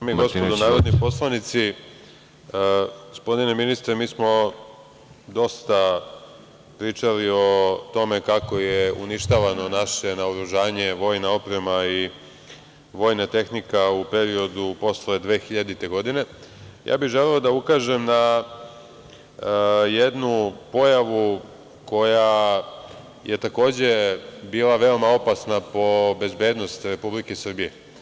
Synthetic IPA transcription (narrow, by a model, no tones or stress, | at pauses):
samieɡo̞spod̪onaːɾod̪nipo̞slˠanit̪si | ɡospo̞d̪ine̞minist̪ɾemiːsmo̞ | d̪o̞st̪a | pɾiːt͡ʃalio̞t̪o̞me̞kako̞jeṵniʃt̪aʋano̞naʃe̞naoɾuʒaːɲe̞ʋo̞ːjnao̞pɾe̞mai | ʋo̞ːjnat̪e̞xnikaupe̞ɾio̞d̪upo̞sled̪ʋeːxiʎad̪it̪e̞ɡo̞d̪ine̞jʔa̰ːbiʒe̞leod̪aukaʒe̞mna | jed̪nupo̞jaʋu | ko̞ja | je̞t̪ako̞ːd͡ʑe̞biːlˠaʋe̞o̞mao̞pasnapo̞be̞zbe̞ːd̪no̞st̪ɾe̞publikesr̩bije